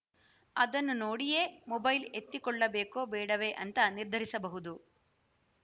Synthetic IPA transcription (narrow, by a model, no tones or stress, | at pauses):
ɐd̪ɐnːunoːɽijeːmɔbɐjlet̪ːikɔɭːɐbeːkoːbɛːɽɐʋeʔɐnt̪ɐniɾd̪ʱɐɾisɐbɐɦud̪u